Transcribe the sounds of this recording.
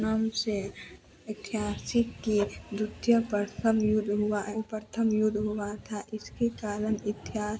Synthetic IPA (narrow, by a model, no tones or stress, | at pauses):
naːmse | ɪt̪ɪɦaːsɪkːid̪ʊt̪jəpəɾt̪ʰəmjʊd̪ʱɦʊaɦpəɾt̪ʰəmjʊd̪ʱɦʊwat̪ʰaʔɪskekaːlənɪt̪ɪɦaː